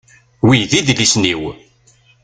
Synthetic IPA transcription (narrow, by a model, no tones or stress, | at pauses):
wijðiðlisniw